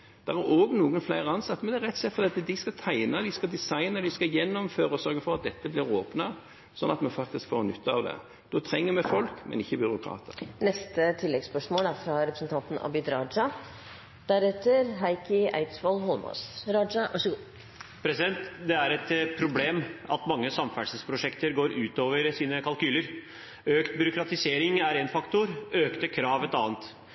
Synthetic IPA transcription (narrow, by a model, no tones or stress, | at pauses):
d̪̥ɛæʁæɾoːɡnuːɡənflæɪʁəɑnsɑt̪ːmɛnd̪ɛæɾɛt̪ːsɛt̪fɔd̪iːɑt̪əd̪ɪskɑt̪ʰæɪnəd̪ɪskɑd̪ɪsɑɪnəd̪ɪskɑjɛnːɔmføːɾəsɔɾɡəfɔʁɑt̪̚d̪ɛt̪ːəblɪɾoːpnɑ | sɔnːɑt̪mɛnfɑk̚t̪ɪskfoːɾnʏt̪ʰːəɑ̰ʋd̪ɛ̰ | d̪̥ɔːt̪ʰɾɛŋːəmɛfɔlkmɛ̰nɪçːəbʏɾʊkʰɾɑ̰ːt̪ʰəɾnɛst̪ət̪ʰɪlːɛɡspœʂmoːlæfɾɑɾɛpɾəsn̩t̪ʰɑnt̪n̩ɑ̰bɪd̪ɾɑd͡ʒɑ | d̪̥æɾɛt̪ːəɾɦæɪkɪʔæ̰ɪt̪sʋɔlɦɔlmɔ̰ːsɾɑd͡ʒɑʋɑʂɡuː | pʰɾɛsɪd̪ɛnt̪d̪ɛæɾɛt̪pʰɾʊbleːmɑ̰t̪mɑŋːəsɑmfæʈsəspʰɾʊʂɛkt̪əɾɡoːɾʉːt̪oːʋəɾsiːnəkʰɑlkʉːləɾ | øːkt̪bʏɾʊkɾɑt̪ɪseːɾɪŋæɾɛnfɑkt̪ʊɾøːkt̪əkʰɾɑːʋɛt̪ɑːnt̪